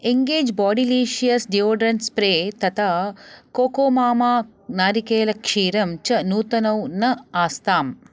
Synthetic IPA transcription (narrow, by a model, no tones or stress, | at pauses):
eŋɡeːd͡ʒbɔːɖiliːʃijɐsɖioːɖɾɐnspɾeːt̪ɐt̪ʰɐkoːkoːmaːmaː | naːɾikeːlɐkʂiːɾɐmt͡ʃɐnuːt̪ɐnɐwnɐaːst̪aːm